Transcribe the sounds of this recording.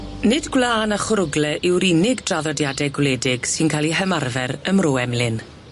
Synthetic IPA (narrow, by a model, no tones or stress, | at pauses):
nɪdɡwlˠaːnaχʊɾʊɡlɛʔɪwɾinɪɡdraðɔdjadɛɡwleːdɪɡ̥sɨnkʰaːlˠiɦəmarvɛɾəmroːɛmlɪn